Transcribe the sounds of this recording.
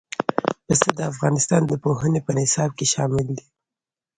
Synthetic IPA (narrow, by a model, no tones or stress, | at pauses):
pəsad̪əafɣɑnɪst̪ɑnd̪əpoɦənepənɪsɑb̚keʃɑmɪld̪i